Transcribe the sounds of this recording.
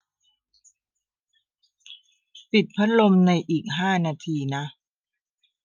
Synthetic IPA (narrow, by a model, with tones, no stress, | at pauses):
pi˨˩t̪̚pʰa˦˥t̪̚lo˧mna˧jʔiː˨˩k̚ɦaː˥˩naː˧t̪ʰiː˧na˦˥ʔ